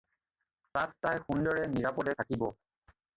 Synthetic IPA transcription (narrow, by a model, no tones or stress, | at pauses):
tatːajxundɔɹɛniɹapɔdɛtʰakibɔ